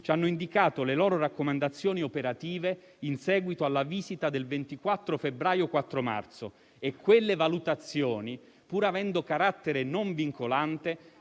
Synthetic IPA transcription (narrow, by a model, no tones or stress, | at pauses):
t͡ʃanːoind̪ikaːt̪olelɔːɾoɾakːomand̪at̪sːjoːniopeɾat̪iːve | insɛːɡwit̪oalːaviːzit̪ad̪elvent̪ikwat̪ːɾofebɾaːjokwat̪ːɾoma̰rt̪so | ekʰːwelːevalut̪at̪sːjɔːni | puːɾavɛnd̪okaɾat̪ːeɾenoɱviŋkolant̪e